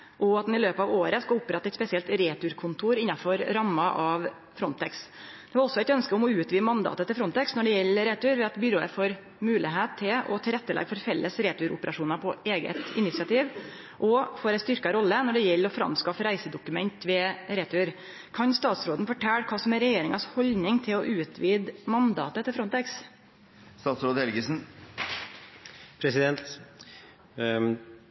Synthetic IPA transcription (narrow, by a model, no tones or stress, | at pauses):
ʔɔɑt̪d̪ɛnɪløːpəɑːʋoːɾəskɑʊpːɾɛt̪ːɑæɪt̪spɛsɪɛlt̪ɾeːt̪ʉɾkʰʊnt̪ʰuːɾɪnːɑfɔɾɾɑmːɑʔɑʋ | fɾɔnt̪ʰɛksd̪̥ɛʋɑɾɔsːɔæɪt̪œnskəʊmɔʉːt̪ʋiːəmɑnd̪ɑ̰ːt̪ət̪ɪlfɾɔnt̪ɛksnɔɖɛjɛlːəɾɛːt̪ʉɾʋɛɑt̪bʏɾoːə̰foːɾ | mʉːlɪ̰ɦeːt̪ʰːɪlɔ̰t̪ʰɪlɾɛt̪ːəlɛ̰ɡfɔɾfɛlːəsɾeːt̪ʉɾʊ̰pəɾɑʂuːnɑpʰɔeːɡə̰t̪ɪnɪt̪sɪɑt̪ʰiːʋ | ʔɔfoːɾɛɪst̪ʏɾkɑɾɔlːənɔɖɛjɛlːəɾɔfɾɑ̰mskɑfɾæɪsəd̪ʊkʉmɛnt̪ʋɛɾeːt̪ʰʊɾ | kʰɑnst̪ɑːt̪sɾoːd̪nfɔʈʰæːɽkʰɑːsɔmɛɾɛjeːɾɪŋɑshɔlnɪŋt̪ʰɪlɔʔʉːt̪ʰʋiːd̪mɑnd̪ɑ̰ːt̪ət̪ʰɪlfɾɔnt̪ɛks | st̪ɑːt̪sɾoːd̪ɛlɡəsn̩ | pʰɾɛsɪd̪ɛnt̪